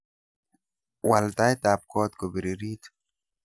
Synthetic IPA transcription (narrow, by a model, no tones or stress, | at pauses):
walt̪ajt̪aːp̚koːt̪kobiɾiɾit̪